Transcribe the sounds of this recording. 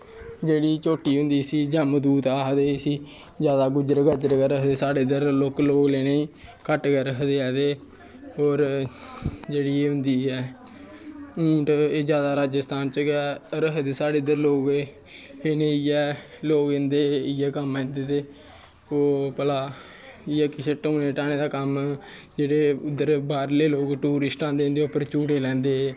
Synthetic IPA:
d͡ʒeːɽiːt͡ʃoːʈiːɦʊ̃nd̪iːsiːd͡ʒəmd̪uːt̪aːɦd̪eːsiː | d͡ʒjaːd̪aːɡʊd͡ʒɾɡəd͡ʒəɾɡəɾəɦd̪eːsaːɽeːd̪əɾloːkloːɡleːneĩːkəʈɡɛɾəɦd̪eːɛːd̪eː | oːɾ | d͡ʒeːɽiːeːɦʊnd̪iːɛː | ũːʈeːd͡ʒjaːd̪aːɾaːd͡ʒəst̪aːnt͡ʃəɡɛːɾəɦd̪eːsaːɽeːʊd̪əɾloːɡ | eneːɪjɛː | loːɡɪnd̪eːɪjɛːkəmɛ̃ːnd̪eːt̪eː | oːpəlaː | ɪjɛːkɪseʈõːneːʈaːñẽːd̪aːkəmd͡ʒeːɽeːʊd̪ːəɾbaːɾleːloːɡʈuːɾɪsʈãːnd̪eːʊ̃nd̪eopəɾt͡ʃuːʈeːlɛ̃ːnd̪eːɛː

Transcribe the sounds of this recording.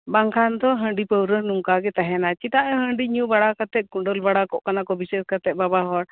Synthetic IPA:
baŋkʰand̪ɔɦəɳɖipəwɾənumkaɡɛt̪aɦɛnat͡ʃit̪aʔɔɦəɳɖiɲubaɽakat̪ɛt̪̚ˀkuɳɖəlbaɽakɔʔkanakɔbisɛskat̪ɛt̪̚ˀbabaɦɔɾ

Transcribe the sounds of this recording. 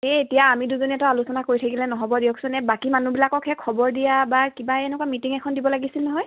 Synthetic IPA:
eetijaːmiduzoniɛtɔalusɔnakoɹitʰakilɛnɔɦɔbɔdijɔksʊnɛbakimanubilakɔkʰɛkʰːɔbɔɹdijabakibaenɛkwamitiŋɛkʰɔndibɔlaɡisilnɔɦɔj

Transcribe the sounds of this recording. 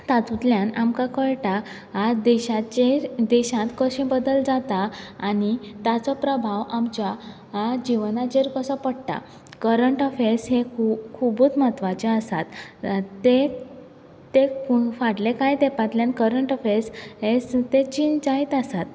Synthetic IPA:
t̪at̪ut̪ljãnamkakəɭʈa | ad̪ɛɕat͡ɕeɾd̪ɛɕãt̪kəɕẽbəd̪əld͡zat̪aːnit̪at͡sɔpɾəbʱaʋamt͡ɕja | ad͡ʑiʋnad͡ʑeɾkəsɔpəɽʈ̪a̰ | kəɾəɳʈɔfesɦekʰukʰubut͡smat̪ʋat͡ɕeəsa̰t̪ː | e | t̪efaɽlekajd̪ɛpat̪ljankəɾəɳʈɔfẽsɦest̪et͡ɕind͡zait̪asat̪

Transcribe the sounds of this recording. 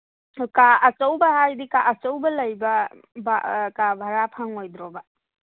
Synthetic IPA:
kaɐt͡ʃɐwbɐhajdikaʔɐt͡ʃɐwbɐlɐjbɐ | ba̰kabʱaɾapʰaŋojd̪ɾɔbɐ

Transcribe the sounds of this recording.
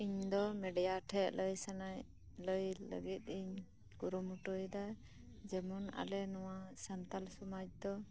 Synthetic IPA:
iɲd̪ɔmɛɖɛjaʈʰɛʔləjsanaj | ləjlə̰ɡit̪̚iɲ | ɡuɾumuʈɔjd̪aj | d͡ʒɛmɔna̰lɛnɔwasant̪alsɔmad͡ʒd̪ɔ

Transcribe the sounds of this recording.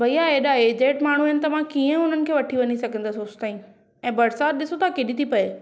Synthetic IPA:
bɐijaeːɗaeːd͡ʑeːʈmaːɽ̤uɐɪnɪ̆t̪ɐmãkiːə̃ʊn̤ənɪ̆kʰeːʋɐʈʰiʋɐɲisɐɡʱə̃nd̪asoːst̪aːĩ | ɛ̃ːbɐɾsaːt̪̚ɗɪsot̪ʰakeɗit̪ʰipɐe

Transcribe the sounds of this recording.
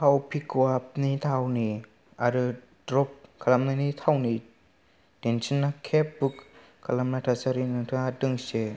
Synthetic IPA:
tʰawpʰikuap̚nitʰawni | aɾɯ | dɾɔp̚kʰalamnanitʰawni | tensinːakʰep̚buk | kʰalamnatʰasaɾinɯtʰɯadɯŋse

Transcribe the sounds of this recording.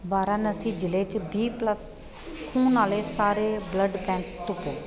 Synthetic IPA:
baːɾãːnəsiːd͡ʒɪleːt͡ʃbiːpləs | kʰuːnaːleːsaːɾeːbləɖpɛ̃ːŋkt̪ʊpoː

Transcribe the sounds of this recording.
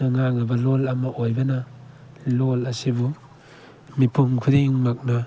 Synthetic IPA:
ɐŋaŋnɐbɐlolɐmɐʔojbɐnɐ | lolɐsibu | mipʰuŋkʰuɾiŋmak̚nɐ

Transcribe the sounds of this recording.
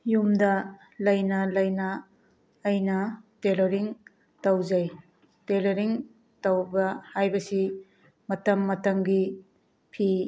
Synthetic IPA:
jumdɐ | lɐjnɐlɐjnɐː | jnɐteloɾiŋ | tɐwzɐj | teloɾiŋ | tɐwbɐhajbɐsi | mɐtɐmːɐtɐmɡi | pʰi

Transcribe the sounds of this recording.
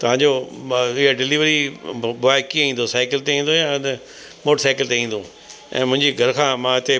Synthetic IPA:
t̪ɐʋ̤ãːɲd͡ʑoɪɦaɖɪliːʋɾibʊaːɪkieĩːnd̪osaːɪkɪlt̪eĩːn̆d̪ojaɪnə | moːʈəɾsaːɪkɪlt̪eĩːn̆d̪o | ɛ̰̃ːmʊ̃ɦɪ̃ɲd͡ʑiɡʱɐɾkʰãːmãːɪt̪e

